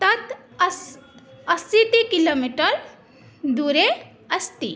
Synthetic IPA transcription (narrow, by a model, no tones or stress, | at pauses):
t̪ɐt̪ | ɐsːit̪ikiloːmiʈəɾ | d̪uɾe | ɐst̪ḭ